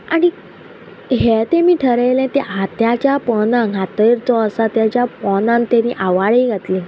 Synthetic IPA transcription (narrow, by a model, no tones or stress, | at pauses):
aɽ̃i | ɦet̪emiːʈʰəɾəjlɛ̃t̪eɦat̪jat͡ɕjapɔnaŋɡʱat̪əiɾt͡sɔəsat̪jat͡ɕjapɔnãnt̪enḭʔaʋaɭeiɡʱat̪li